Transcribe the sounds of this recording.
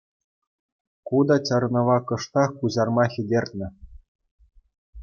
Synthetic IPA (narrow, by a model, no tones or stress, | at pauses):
kud̪ɑt͡ɕɤ̆ɾɤnɤ̆ʋɑkɤ̆ʂt̪ɑxkuʑɑrmɑxʲĭdʲerʲt̚ʲnʲɘ̆